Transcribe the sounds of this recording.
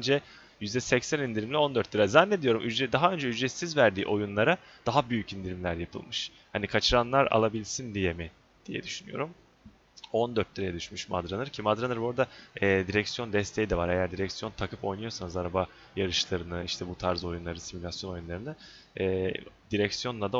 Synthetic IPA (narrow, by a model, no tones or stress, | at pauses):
ønd͡ʒɛ | jyzd̪ɛsɛcsænind̪iɾimlʲio̞nd̪øɾt̪̚ːiɾazænːed̪ijo̞ɾumʔyd͡ʒɛd̪aɦaø̞nd͡ʒɛyd͡ʒɛsizvæɾd̪ḭːʔo̞junlˠaɾa | d̪̥aɦabyjycind̪iɾimlʲæɾjapʰɯ̰lˠmɯʃ | hanikʰat͡ʃʰɯɾanlˠaɾa̰lˠabilʲsind̪ijɛmi | d̪̥ijɛ̰d̪yʃyny̰jo̞̰ɾum | o̞nd̪øɾt̪̚liɾajɛd̪yʃmyʃma̰d̪ɾanɯɾcʰimad̪ɾanɯɾboɾd̪aɛːd̪iɾɛcsijo̞nd̪ɛst̪ʰejid̪ɛvaɾejæɾd̪iɾɛcsijo̞nt̪ʰakʰɯpo̞̰jnujo̞sanɯzaɾaba | jaɾɯʃlˠaɾɯnɯiʃt̪ʰɛbut̪ʰaɾzo̞junˠaɾɯsimulʲasjo̞no̞junlˠaɾɯnɯː | d̪iɾɛcsijo̞nlˠad̪a